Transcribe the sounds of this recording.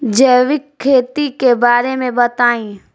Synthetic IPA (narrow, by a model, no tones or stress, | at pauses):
d͡ʒɛːʋɪkʰːeːt̪ikebaːɾemẽbɐt̪aːĩː